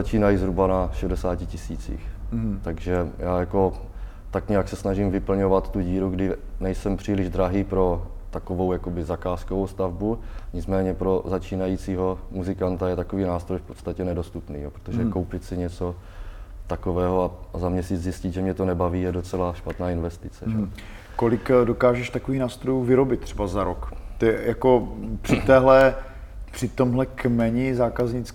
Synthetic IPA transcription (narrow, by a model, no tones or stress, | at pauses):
at͡ʃiːnajizɦɾubanaʃɛdɛsaːcɪcɪsiːt͡sḭːxt̪aɡʒɛjaːjako̞ | t̪akɲɛjaksɛsnaʒimvɪpl̩ɲo̞vat̪t̪uɟiːɾuɡdɪnɛjsɛmpr̥iːlɪʒd̪ɾaɦiːpɾo̞ | t̪akovo̞wjakobɪzakaːskovowst̪avbuɲɪt͡smɛːɲɛpɾo̞zat͡ʃiːnajit͡siːɦo̞muzɪkant̪ajɛt̪akoviːnaːst̪ɾo̞jfpo̞t̪t͡st̪acɛnɛdo̞st̪upnḭːjopɾot̪oʒɛkko̞wpɪt̪sɪɲɛt͡so̞ | t̪akovɛːɦoaazamɲɛsit͡szjɪscɪt̪ʒɛmɲɛt̪onɛbaviːjɛdot͡sɛlaʃpat̪naːɪnvɛst̪ɪt͡sɛ̰ʒɛ | kolɪkdokaːʒɛʃt̪akoviːxnaːst̪ɾojuːvɪɾobɪt̪̚t̪ːr̥ɛbazaɾokt̪ɛjako̞pr̥ɪt̪ɛːɦlɛ | pr̥ɪt̪o̞mɦlɛkmɛɲɪzaːkazɲɪt͡s